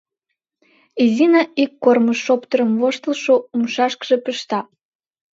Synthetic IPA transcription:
izinɑikːorməʃːopt̪əɾəmvoʃt̪əlʃoumʃɑʃkʒ̥epəʃt̪ɑ

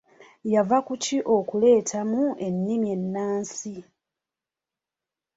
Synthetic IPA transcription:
javakuciʔo̞kule̞ːtʰamue̞nːimje̞nːaːnsi

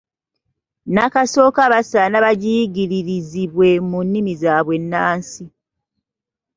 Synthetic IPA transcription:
nakaso̞ːkaβasanaβaɟiɟiɾiɾiziβwe̞munːimizaːβwe̞nːaːnsi

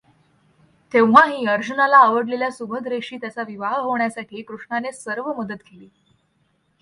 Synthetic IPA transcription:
t̪eʋʋaɦiːəɾd͡ʑunalaːʋəɽleljasubʱəd̪ɾeɕiːt̪jat͡saʋiʋaɦɦoɳjasaʈʰiːkɾuʂɳanesəɾʋəməd̪ət̪keliː

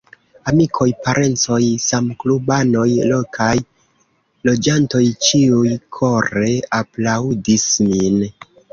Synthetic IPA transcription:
amikʰo̞jpaɾʔe̞nt͡so̞jsamklubano̞jlo̞kʰaj | lo̞d͡ʒanto̞jt͡ʃiujkʰo̞ɾe̞aplaudismin

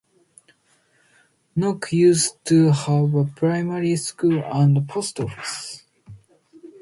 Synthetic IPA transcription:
nɔkʰjʉstʰuhavəpʰɹaɪmaɹiskulãndpʰostɔfi̥s

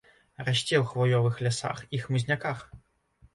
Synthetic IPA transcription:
raɕʲt͡sʲɛwxvɔjɔvɨxlʲasa̰xixmɨzʲnʲakax

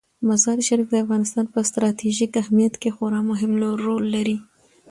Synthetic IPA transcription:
mazɑɾiʃaɾik̚d̪əafɣɑnɪst̪ɑnpəst̪ɾɑt̪ʰiʒikahmijat̪kexoɾɑmʊɦɪmloɾːolːaɾi

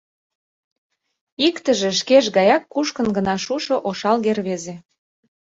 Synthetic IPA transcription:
ikt̪əʒĕʃkeʃɣɑjɑkːuʃkə̆nɡə̆nɑʃuʃŏʔoʃɑlɣerβeze

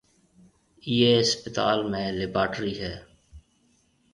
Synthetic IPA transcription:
iːeːspɪt̪a̰ːlmẽːlɪbaːʈɾiːɦɛː

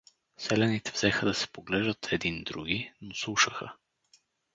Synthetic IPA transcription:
sɛlɛnit̪ɛvzɛxəd̪ɐsɛ̥poɡlɛʒd̪ət̪ʰɛd̪ind̪ɾuɡʲinoslˠuʃəxə

